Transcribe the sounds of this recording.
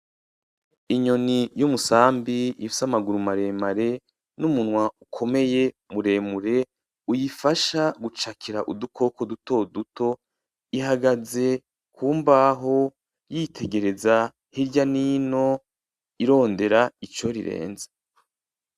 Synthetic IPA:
iɲo̞nijumusaːmbiifu̥samaɡuɾumaɾe̞ːmaɾe̞ | numunwaukʰo̞me̞je̞ | muɾe̞ːmuɾe̞ | ujifaʃaɡut͡ʃakʰiɾaʔudukʰo̞ko̞duto̞duto̞ | iɦaɡaze̞ | kʰuːmbaɦo̞ | jitʰe̞ɡe̞ɾeza | hiɾɟanino̞ | iɾo̞ːnde̞ɾait͡ʃoɾḭɾḛːnzḁ

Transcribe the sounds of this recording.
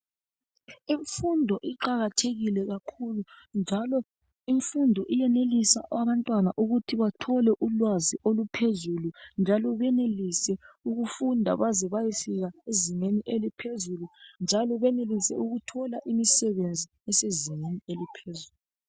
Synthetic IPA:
iɱfundʱɔʔiǃaɣatʰeɣilɛɣakʰulund͡ʒʱalɔ | iɱfundʱɔʔijɛnelisa̰ʔaβantʼwanaʔuɣutʰiβatʰɔlɛʔulwaziʔolupʰezulund͡ʒʱalɔβɛnelisɛuɣufundʱa̰βazɛβajisiɣaeziŋeniʔelipʰezulund͡ʒʱalɔβɛnelisɛ̰uɣutʰɔlaʔimisɛβend͡zʱi | ɛseziŋenielipʰezuluu

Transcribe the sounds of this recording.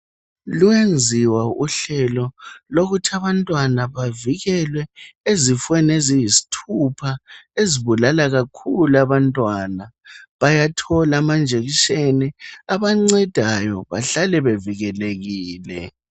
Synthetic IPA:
luend͡zʱiwauɬɛlɔloɣutʰaβantʼwanaβaviɣɛlwɛezifwɛnezijisi̥tʰupʰaeziβulalaɣakʰulaβantʼwanaβajatʰɔlamand͡ʒʱeɣiʃeniaβaŋ͡ǀɛd̥ʱajɔ̰βa̰ɬalɛβeviɣɛleɣiːlɛ̰

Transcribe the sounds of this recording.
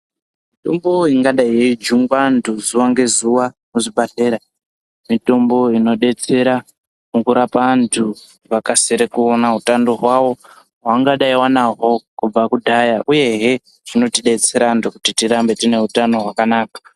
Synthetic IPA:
mmito̞mbo̞iŋɡaɗaiɦeid͡ʒuŋɡwandʰuzuwaŋɡe̞zuʋanoʐiɓaɬe̞ːɾa | mito̞mbo̞ino̞ɗe̞t͡se̞ɾa | mukuɾapantʰu | ʋakaseɾekuonautandoɦwawo̞ | ɦwaŋɡaɗaiwanaɦo̞kub͡vakudʱajaʔuje̞ɦe̞ | ʐ̥ino̞tiɗe̞t͡se̞ɾantukutitiɾambe̞tine̞utano̞ɦwakanaːkḁ

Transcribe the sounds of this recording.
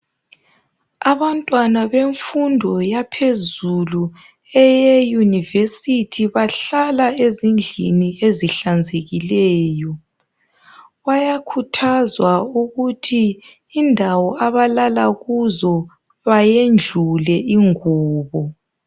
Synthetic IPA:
aβantʼwanaβeɱfundʱɔjapʰezulu | ɛjɛjunivesitʰiβaɬalaezind͡ɮʱinieziɬand͡zʱeɣilɛːjɔ | wajakʰutʰazwauɣutʰiː | ndʱawɔaβalalaɣuzɔ | βajend͡ɮʱulɛʔiŋuːβɔ

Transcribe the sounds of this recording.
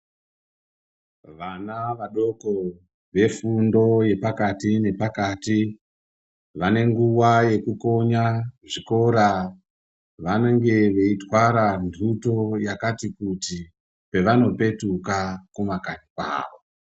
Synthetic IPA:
ʋanaʋaɗo̞ko | ʋe̞fundo̞je̞pakatine̞pakati | ʋane̞ŋɡuwaje̞kuko̞ɲaʐiko̞ɾa | ʋaneŋɡe̞ʋe̞itwaɾandʱuto̞jakatikuti | pe̞ʋano̞pe̞tukakumakanikwa̰ːʋo

